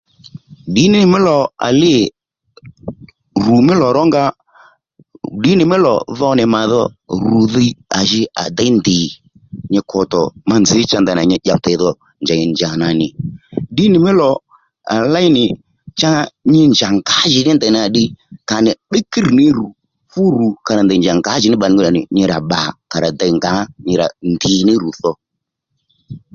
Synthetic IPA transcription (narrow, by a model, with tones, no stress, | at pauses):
dɪ˨˦nɪ˨˦˨mɪ˦lɔ˨a̰˨lɪ˦˨ | ru˨mɪ˦lɔ˨ɾɔ˦ŋɡa˦ | ɗɪ˨˦nɪ˨mɪ˦lɔ̰˨ðɔ˧nɪ˨ma˨ðɔ˦ru˨ði˧a̰˨ʒɪ˧a̰˨da˦ndɪ˨ | ɲɪ˧kʰɔ˨tɔ˨ma˧nd͡zɪ˨˦t͡ʃa˧nda˨na˨ɲɪ˧ʄa˨ta˨˦ðɔ˨ | nd͡ʒa˨ɲɪ˨nd͡ʒa˨na˨nɪ˨ɗɪ˦nɪ˨mɪ˦lɔ˨ | a̰˨la˦i˦nɪ˨ | t͡ʃa˦ɲɪ˦nd͡ʒa˨ŋɡa˨˦ʒɪ˨nɪ˦nda˨n˨a˨ɗɪ˧ka˨nɪ˨ɓe˦ki˦ɾnɪ˦ɾu˨ | fu˦ɾu˨ka˨ɾa˨nd̪a˨nd͡ʒa˨ŋɡa˨˦ʒɪ˨˦nɪ˦ɓa˨n˨˦ɡu˦˨a˨nɪ˨ɲɪ˧ɾa˨ɓa˨ka˨ɾa˨da˧i˨ŋɡa˨˦ɲɪ˧ɾa̰˨ndi˨nɪ˦ɾu˨θɔ˧